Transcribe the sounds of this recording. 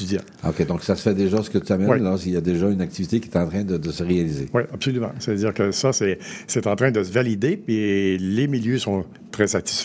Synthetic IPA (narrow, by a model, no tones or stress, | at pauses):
yjã | o̰kʲed̪ɔ̃ksasəfɛd̪eʒasə̥kət̪yamɛwinlasiljad̪eʒaynak̚t̪ivit̪ekʲjɛt̪ɑ̃t̪χɛ̃d̪əd̪əsəʁealizewiapsolymã̰savəd̪iːʁkəsasɛsɛt̪ɑ̃t̪ʁɛ̃d̪əsəvalid̪epilemiljøsɔ̃ | t̪ʁɛsat̪i̥sfɛ